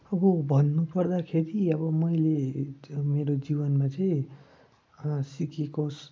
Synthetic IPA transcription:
ʌbʌbʱʌnːupʌrd̪akʰeɾiʌbʌmʌjle | meɾod͡zibʌnmat͡saĩ | sikekos

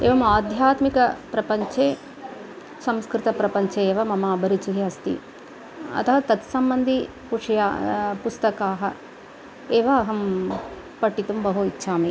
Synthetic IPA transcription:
ḛːʋɐmaːd̪ʱjaːt̪mikɐpɾɐpɐɲt͡ʃeː | sɐmskɾɪt̪ɐpɾɐpɐɲt͡ʃeeːʋɐmɐmaːbʱɐɾit͡ʃiɦiɐst̪ḭ | ɐ̰t̪ʰɐʋɐt̪ɐt̪sɐmbɐnd̪ʱi | puʂjapust̪ɐkaːɦɐ̰ | eːʋɐːɦɐm | pɐʈːit̪umbɐɦuitːʃʰaːmi

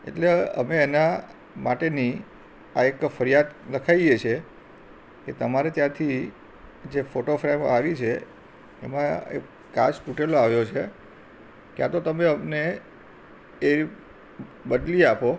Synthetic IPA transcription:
ḛʈleə̰meːna | maʈeni | aekfəɾijad̪ləkʰajet͡ʃʰe | ket̪əmaɾet̪jãt̪ʰi | d͡ʒefoʈofɾamaʋit͡ʃʰe | ḛmãḛ | ka̰sʈuʈeloaʋjot͡ʃʰe | kjat̪ot̪əmeəmne | bəd̪liapo

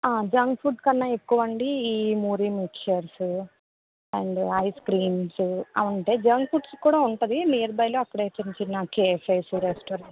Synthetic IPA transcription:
aːd͡ʒɐŋɡpʰuʈkɐnːɐːekːuʋɐɳɖiiːmuːɾimikʃɐɾsu | ɐɳɖɐjskɾiːnsuɐ̰ʋɐɳʈe̞ːd͡ʒɐŋɡpʰuɖskuːɽaːuɳʈɐd̪iniːɐɾbɐjloːɐkːɐɽe̞ːt͡ʃiɲt͡ʃinːɐkeːfɐjsuɾesʈoːɾɐɳ

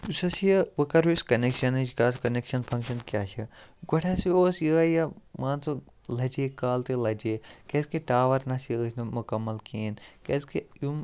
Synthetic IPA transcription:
usɐsijɐʋɐkɐɾuskɐnekʃɐnid͡ʒkaːskɐnekʃɐnpʰɐ̃ŋkʃɐnkʲjaːt͡ʃʰɐɡɔʈʰasioːsjəjɐmaːnt͡so | lɐd͡ʒeːkaːlt̪elɐd͡ʒeːkeskeʈaːʋɐɾnɐsjəːsnɐmukɐmːɐlkeːnkeskejum

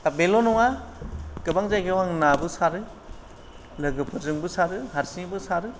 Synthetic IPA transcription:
abelɔnɔŋa | kɯbaŋzajɡewaŋnabɯsaɾɯ | lɯɡɯpʰɯzɯŋbɯsaɾɯhaɾsibɯsaɾɯ

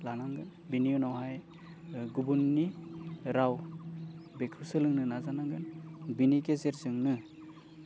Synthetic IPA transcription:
lanaŋɡɯn | binijunawɦaj | ɡubunːiɾaw | bekʰɾusɯlɯŋnɯnazanaŋɡɯnbinikezeɾzɯŋnɯ

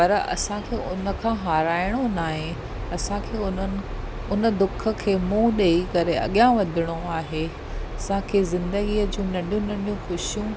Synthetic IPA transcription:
pɐɾɐ̰sãkʰeːʔʊnə̆kʰãːɦaːɾaːɪɽ̃onaːɦẽ | ɐsãkʰeːʊnən̆ | ʊnə̆d̪ʊkʰə̆kʰeːmũːɗeːikɐɾeɐ̰ɠjãʋɐd̪ʱɪɽ̃oaːɦe | ɐsãkʰeːzɪ̃nd̪əɡiːəd͡ʑũːnɐ̃ɗijũnɐ̃ɗijũxʊʃijũ

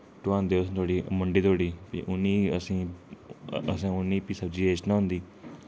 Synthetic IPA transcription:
ʈʊãːnd̪eːʊst̪ʰoːɽiːməɳɖiːt̪oːɽiːpḭʔʊnːiːəsĩː | əsãːʊnːiːpiːsəbd͡ʒiːeːt͡ʃnaːɦʊ̃nd̪iː

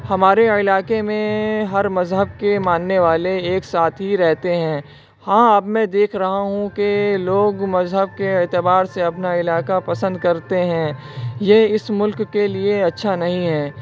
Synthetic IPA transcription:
hɐmaːɾeɪlaːkemẽɦɐɾmɐzɦəb̚kemaːnːeʋaːleːksaːt̪ʰɦiɾɛɦt̪eɦɛ̃ː | hãːɐbmɛ̃d̪eːkʰɾɐɦaɦũkeloːɡmɐzɦəb̚keɪːt̪ɪbaːɾseɐpnaɪlaːkapɐsə̃nd̪̚kɐɾt̪eɦɛ̃ː | jeɪsmʊlkːelieɐtːʃʰanɐɦĩɦɛː

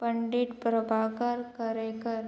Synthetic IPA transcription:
pəɳɖiʈpɾəbʱaʋkaɾkəɾekəɾ

